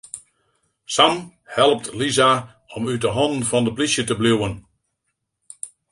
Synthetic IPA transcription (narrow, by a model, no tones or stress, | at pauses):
sam | hɛlˠəp̚tliza | ɔmytdəɦɔndn̩fɑndəplisjətəbluwən